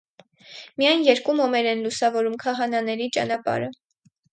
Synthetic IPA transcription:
mijɑjnjɛɾkumɔmɛɾɛnlusɑvɔɾumkʰɑɦɑnɑnɛɾit͡ʃɑ̰nɑpɑ̰ɾə

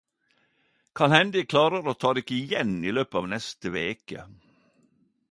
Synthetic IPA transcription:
kʰɑlhɛnd̪ɪkʰlɑːɾəɾoːt̪ʰɑːd̪ɪkəɪjɛniløːpəɑːʋnɛst̪əʋeːkə̰

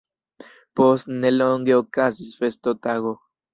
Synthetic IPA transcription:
posneloŋɡeokasisfest̪ot̪aɣo

